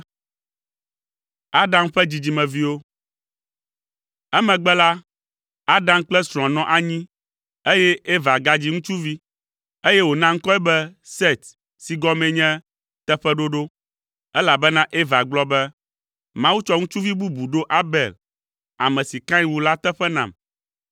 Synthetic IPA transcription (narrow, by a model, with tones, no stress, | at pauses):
a˦ɖã˦mɸɛ˦d͡ʑi˨d͡ʑi˨mɛ̃˨vi˦wo˦ | ɛ˦mɛ̃˨ɡ͡bɛ˦la˦ | a˦ɖã˨˦m˦k͡plɛ˦sɾ̃ɔ̃˨nɔ̃˦ʔa˨ɲĩ˦ | e˦jɛ˦e˦va˨ɡa˦d͡ʑi˦ŋũ˦t͡ʃu˦vi˦ | e˦jɛ˦wo˨nã˦ŋ̩˦kɔ˦ɛ˦bɛ˦se˦˨t̪ | si˨ɡɔ˦mɛ̃˨ɲɛ̃˦ | t̪ɛ˦ɸɛ˦ɖo˦ɖo˦ | ɛ˦la˨bɛ˦nã˦ʔe˦va˨ɡ͡blɔ˦bɛ˦ | mã˦wu˦t͡ʃɔ˦ŋũ˦t͡ʃu˦vi˦bu˦bu˨ɖo˦ʔa˦bɛ˨l | a˨mɛ̃˨si˨kã˦ĩ˦wu˨la˦t̪ɛ˦ɸɛ˦nã̰˨m